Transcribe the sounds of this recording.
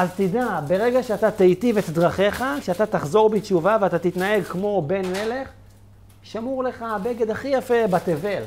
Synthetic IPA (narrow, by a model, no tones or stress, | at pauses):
ʔazt̪idabe̞ʁe̞ɡaʃeat̪at̪ejt̪ivet̪d̪ʁaχe̞χakʃeat̪at̪aχzo̞ʁbit͡ʃuvaveat̪at̪it̪nae̞ɡkmo̞be̞nle̞le̞χ | ʃamuʁle̞χabe̞ɡedaχijafe̞bat̪eve̞l